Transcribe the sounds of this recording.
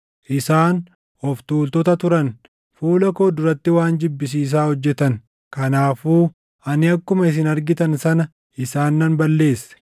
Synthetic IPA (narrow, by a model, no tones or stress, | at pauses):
ʔɪsaːn | ɔft̪uːlt̪ɔt̪ɐt̪ʊɾɐn | fuːlɐko̞ːd̪ʊɾɐt̪ːɪwaːnd͡ʒɪbːɪs̬iːs̬aːhɔd͡ʒːɛt̪ɐn | kɐnaːfuː | ʔɐnɪɐkːʊmɐɪs̬ɪnɐɾɡɪt̪ɐnsɐnɐ | ʔɪsaːnːɐnbɐlːe̞ːsːɛ̥